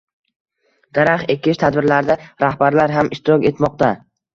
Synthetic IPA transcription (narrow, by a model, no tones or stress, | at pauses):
d̪̥aɾaχekʲʰɪʃt̪ʰad̪bɪɾlaɾd̪aɾahbaɾlaɾɦamɪʃt̪ʰɪɾɒkʲe̞t̪mɒq̚t̪a